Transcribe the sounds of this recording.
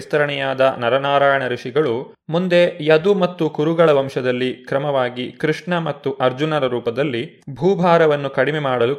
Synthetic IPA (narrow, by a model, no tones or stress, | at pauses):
st̪ɐɾɐɳɛjaːd̪ɐnɐɾɐnaːɾaːjɐɳɐɾuʂiɡɐɭu | mund̪e̞jɐd̪umɐt̪ːukuɾuɡɐɭɐʋɐmʂɐd̪ɐlːikɾɐmɐʋaːɡikɾiʂɳɐmɐt̪ːuʔɐɾd͡ʒunɐɾɐɾuːpɐd̪ɐlːi | bʱuːbʱaːɾɐʋɐnːukɐɽimɛmaːɽɐlu